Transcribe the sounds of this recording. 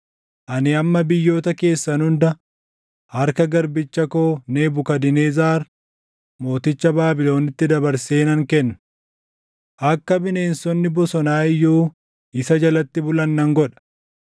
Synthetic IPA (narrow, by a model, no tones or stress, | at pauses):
ʔɐnɪɐmːɐbɪjːo̞ːt̪ɐke̞ːsːɐnʊnd̪ɐ | hɐɾkɐɡɐɾbɪt͡ʃːɐkoːne̞ːbʊkɐd̪ɪneːzaːɾ | mo̞ːt̪ɪt͡ʃːɐbaːbɪlo̞ːnɪt̪ːɪd̪ɐbɐɾse̞ːnɐŋkɛnːɐ̥ | ʔɐkːɐbɪne̞ːnsɔnːɪbɔsɔnaːɪjːuː | ɪsɐd͡ʒɐlɐt̪ːɪbʊlɐnːɐŋɡɔᶑɐ̥